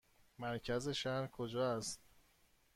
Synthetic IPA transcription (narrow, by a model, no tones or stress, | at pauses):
mæɾcʰæze̞ʃæhɾkʰod͡ʒɒːæst̪